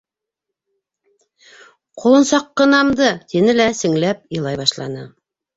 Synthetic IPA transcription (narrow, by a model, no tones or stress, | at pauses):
qʰŏlˠɤ̆nsɑqːɤ̆nɑmd̪ɤt̪inɘlæsɘ̆ŋlæpɤ̆lˠɑjβɑʃlˠɑ̰nɤ